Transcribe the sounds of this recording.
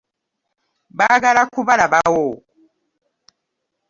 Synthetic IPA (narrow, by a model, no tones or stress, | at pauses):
baɡalakuβalabawɔ